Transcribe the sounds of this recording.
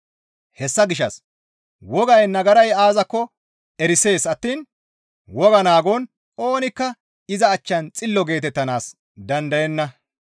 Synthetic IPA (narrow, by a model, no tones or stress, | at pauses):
hɛsːɐɡɪʃɐs | wɔɡɐjnɐɡɐɾɐjaːzɐkːɔ | ɛɾɪse̞ːsɐt̪ːiːn | wɔɡɐnaːɡɔn | o̞ːnɪkːɐ | ɪzɐːt͡ʃːɐnt͡sʼɪlːɔɡe̞ːt̪ɛt̪ːɐnaːs | d̪ɐnd̪ɐjɛnːɐ